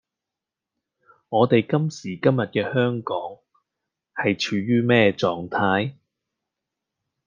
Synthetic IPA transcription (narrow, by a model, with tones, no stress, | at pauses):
ŋɔː˨˧t̪e˨jkɐ˥msiː˨˩kɐ˥mjɐ˨t̚kɛː˧hœː˥ŋkɔː˨˥ŋ | hɐ˨jt͡ʃʰyː˨˧ɥyː˥mɛː˥t͡ʃɔː˨˩ŋt̪ʰaː˧j